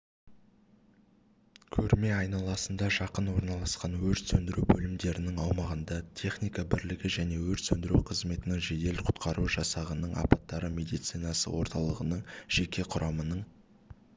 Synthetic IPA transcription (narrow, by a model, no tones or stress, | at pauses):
kʲʰɵɾme̞ɑjnɑlˠɑsənd̪ɑʒɑqənwo̞ɾnɑlˠɑsqɑnwɵɾt̪sɵnd̪ɪɾubɵlɪmd̪e̞ɾɪnɪŋɑwmɑʁənd̪ɑt̪ʲʰe̞χnijkɑbɪɾlɪɡʲɪʒæne̞wɵɾt̪sɵnd̪ɪɾuwqʰəzme̞t̪ɪnɪŋʒe̞d̪e̞lqʰʊ̥t̪qʰɑɾuʒɑsɑʁənəɴɑ̰pɑt̪ːɑɾəmʲe̞d̪ijt̪sijnɑsə̰wo̞ɾt̪ɑlˠəʁənəɴʒ̥e̞kʲe̞qʰʊɾʔɑmənəɴ